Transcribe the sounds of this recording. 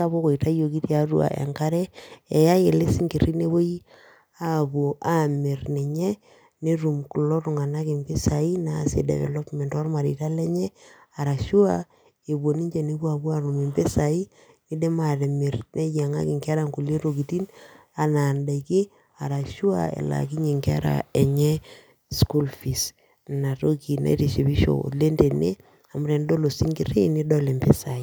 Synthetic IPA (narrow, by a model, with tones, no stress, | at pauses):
a˦bo˦ko˨i˨ta˦jo˨ki˦tja˦ɾu˦a̰˨ʔḛ˨ŋka˦ɾɛ˦e˨ja˦je˨le˦si˦ŋke˨ri˦ne˦βo˦ji˦ | a˦˨bu˨ʔa˦me˨rne˨ɲe˦ | ne˦ɾu˨mku˨lɔ˦tu˨ŋa˨na˦ki˨mpe˦sa˨i˦na˨sḛ˨dɛ̰βɛ̰˨lɔ˦pmɛ˨ntɔ˦rma˨ɾi˨ta˦lɛ˦ɲɛ˦a˨ɾa˨ʃu˦a˦ | e˨bo˨ni˦ɲd͡ʒe˨ne˦bu˦a˨bu˦a˨ɾu˨mi˨mpe˦sa˨i˦ | ni˦de˦ma˨ɾe˨mi˨rne˦ja˨ŋa̰˦ki˨ŋka˦ɾa˦ŋku˨le˦ɾo˨ki˨ti˦n | a˨na˨nda˨iki˦ | a˨ɾa˨ʃu˦a̰˨ḛ˨la̰˨ki˦ɲe˨ŋkɛ̰˦ɾa̰˨e˨ɲɛ˦ | sku˦lfi˨s | na˨ɾo˦ki˨na̰˨i˦ɾe˨ʃe˨βi˦ʃo̰˨o̰˨tle˦nde˨ne˦ | a˨m˦ɾe˨ndo˦lo˨si˦ŋɡi˨ɾi˦ni˦dɔ˦le˨mbe˦sa˨i˦